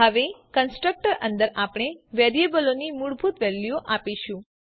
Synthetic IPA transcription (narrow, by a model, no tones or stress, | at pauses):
ɦəʋekənsʈɾək̚ʈəɾʔə̰̃nd̪əɾapɳ̃eʋɛɾiebəlonimuɽbʱut̪ʋɛlːjoʔapiʃũ